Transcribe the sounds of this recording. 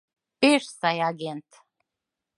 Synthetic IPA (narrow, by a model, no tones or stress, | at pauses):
peʃsɑjɑɡent̪